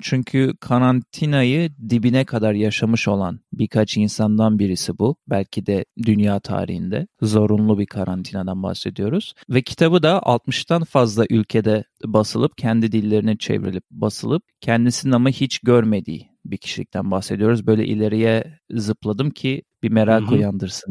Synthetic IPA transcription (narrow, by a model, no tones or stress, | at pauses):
t͡ʃʰyɲcʰykʰaɾant̪ʰinajɯd̪ibinɛkʰad̪aɾjaʃamɯʃo̞lˠa̰nbiɾkʰat͡ʃinsand̪anbiɾisibubælʲcʰid̪ɛd̪ynjaːt̪ʰa̰ːɾḭhind̪ɛ̰zo̞ɾunlˠubikʰaɾant̪ʰinad̪anba̰hse̞d̪ijo̞ɾuz̥vɛcʰi̥t̪ʰabɯd̪aʔa̰lˠt̪mɯʃt̪ʰanfazlˠaʔylʲcʰed̪ɛbasɯlˠɯpcʰɛnd̪id̪ilʲːe̞ɾinit͡ʃʰḛvɾḭlʲip̚basɯlˠɯp̚cʰɛnd̪isinamɯhit͡ʃɟøɾme̞d̪ḭː | bicʰi̥ʃilʲic̚t̪ʰænbahse̞d̪ijo̞ɾuzbø̞jlʲɛ̰ʔḭlʲe̞ɾijɛzɯplˠad̪ɯmcʰib̥imeɾaːkʰojand̪ɯɾsɯn